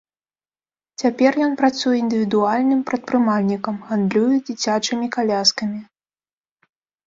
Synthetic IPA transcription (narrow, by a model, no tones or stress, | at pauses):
t͡sʲapʲɛrjɔnpɾat̪sujɛind̪ɨvʲid̪ualʲnɨmpɾɐt̪̚pɾɨmalʲnʲikɐmɣand̪lʲujɛd͡zʲit͡sʲat͡ʂɨmʲikalʲaskɐmʲi